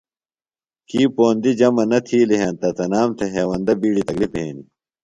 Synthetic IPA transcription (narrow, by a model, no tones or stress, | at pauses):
kiːpoːnd̪id͡ʑɐmɐnɐt̪ʰiːliɦɐnt̪ɐt̪ɐnaːmt̪ʰeɦeːwɐnd̪ɐbiːɽit̪ɐklipḛːni